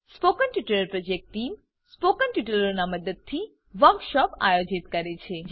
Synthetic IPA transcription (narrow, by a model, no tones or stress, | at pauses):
spokənʈiʈələɾpɾod͡ʒek̚ʈʈim | spokənʈuʈələɾnaməd̪əd̪̚t̪ʰi | ʋəɾkʃɔpa̰jod͡ʒit̪kəɾet͡ʃʰe